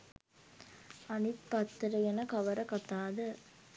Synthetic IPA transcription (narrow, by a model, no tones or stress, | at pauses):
ɐnɪt̪pɐt̪ːɾɐjɛnɐkɐʋɐɾɐkɐt̪ːaːðɯ